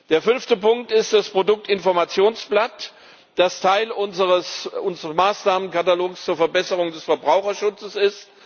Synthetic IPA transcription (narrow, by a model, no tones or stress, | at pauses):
d̥eːɐfʏnftəpʊŋk̚tɪst̚d̥aspʁ̥odʊk̚tɪnfɔɐmat͡sjoːnsb̥lat | d̥astʰaɪlʊnzəʁəsʔʊnzəʁəsmaːsnaːmənkataloːkst͡suːɐfɛɐbɛsəʁ̞ʊŋdɛsfɛɐbʁaʊxɐʃʊt͡səsɪst